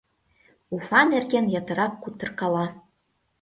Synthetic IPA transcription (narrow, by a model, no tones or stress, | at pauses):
ufɑnerɡenjɑt̪ɤ̆ɾɑkːut̪ːɤ̆rkɑlɑ